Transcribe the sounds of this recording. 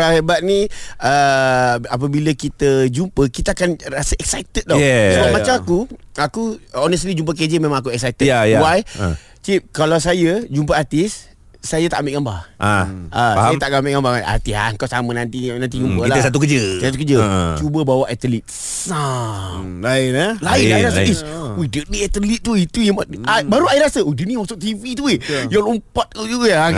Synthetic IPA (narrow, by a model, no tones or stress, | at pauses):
aebaʔ̚nĩə | ap̬əbiləkit̪əd͡ʒumpəkit̪aakanrasəɛk̚sajt̪ət̪̚dɔɛsəbamat͡ʃamakuakuɔnəst̪lid͡ʒump̬ək̬ed͡ʒəmẽmãŋakuɛksajt̪əjajwaj | t͡ʃip̚kalaws̬ajəd͡ʒumpəart̪isː | ajət̪aʔambɪʔɡambahʔaasjət̪aʔɡambiʔɡambaa̰t̪ia̰ŋkasamənant̪inant̪̬id͡ʒumppəlaəsat̪ukəd͡ʒəsat̪̬ukəd͡ʒət͡ʃubəbawaʔɛt̪əlit̪̚ | saŋlaɪnəlainaɾasaiswidəniɛt̪əlit̪̚t̪ːuit̪ujəmaabaɾuaiɾasəudəniwat̪uʔ̚t̪ivit̪uejaŋlumpat̪̚kujuja